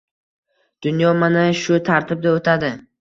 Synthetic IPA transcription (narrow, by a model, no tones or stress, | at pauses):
d̪̥ʊnjɒmanaʃʊt̪ʰaɾt̪ʰɪb̚d̪aot̪ʰad̪ɪ